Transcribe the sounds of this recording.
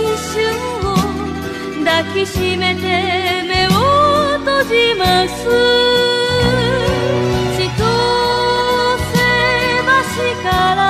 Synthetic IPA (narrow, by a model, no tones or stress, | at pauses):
iɕɯm | o | d̪akʰiɕimet̪ʰemewot̪od͡ʑimasɯ | ɕʰit̪o | sebaɕikaɾa